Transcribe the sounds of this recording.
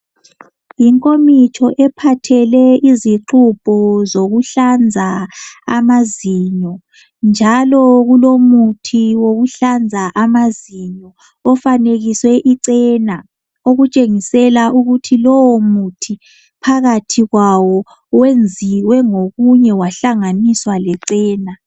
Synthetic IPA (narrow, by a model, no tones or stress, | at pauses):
jiŋkʼomit͡ʃʰʼɔʔɛpʰatʰɛlɛiziǁupʼɔzoɣuɬand͡zʱaamaziɲɔ | nd͡ʒʱalɔɣulomutʰiwoɣuɬand͡zʱaʔamaziɲɔː | faneɣiswɛʔiǀɛːna | oɣut͡ʃʼeŋisɛlauɣutʰilɔwomutʰi | pʰaɣatʰiɣwawɔ | wend͡zʱiwɛŋoɣuɲɛwaɬaŋaniswalɛǀɛːna